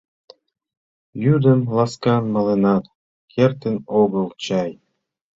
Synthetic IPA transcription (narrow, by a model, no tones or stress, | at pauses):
jyd̪ɘ̆mlˠɑskɑnmɑlenɑt̪ | kʰʲert̪enoɣɤ̆lˠt͡ɕɑj